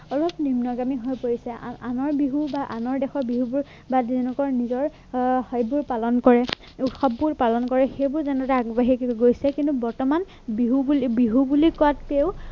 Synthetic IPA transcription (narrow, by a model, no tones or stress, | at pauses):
ɔlɔpnimnɔɡamiɦɔjpoɹisɛʔanɔɹbiɦubaʔanɔɹdɛxɔbiɦubuɹ | bazɛnɛkɔɹnizɔɹ | hɔjbʊɹpalɔnkɔɹɛ | uxɔpːuɹpalɔnkɔɹɛxejbʊɹzɛnɛtaaɡbaɦiɡojsɛkĩntubɔɹtɔman | biɦulbiɦubulikɔatpeʊ